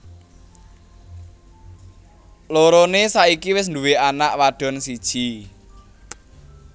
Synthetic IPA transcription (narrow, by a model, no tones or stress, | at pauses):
loɾonesaʔikiwɪs̬nd̪uweanaʔwaɖ̥ɔ̤nsid̥ʒ̥i